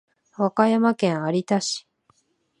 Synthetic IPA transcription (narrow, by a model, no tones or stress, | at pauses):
βakajamakẽ̞ɰ̃aɾʲit̪aɕi̥